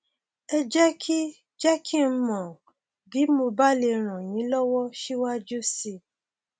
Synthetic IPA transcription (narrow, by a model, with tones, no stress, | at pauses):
ɛ˧d͡ʒɛ˦kʰi˦ | d͡ʒɛ˦kʰi˦˨n̩˦mɔ̃˨ | ɡi˨˦mo˧ba˦le˧ɾ̃ã˨jĩ˨˦lɔ˦wɔ˦ʃi˦wa˦d͡ʒu˦si˧